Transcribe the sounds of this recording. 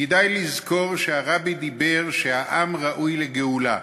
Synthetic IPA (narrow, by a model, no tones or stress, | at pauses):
ked̪ajlizkko̞ʁʃeaʁabid̪ibe̞ʁʃeaʔamʁaʔujleɡeula̰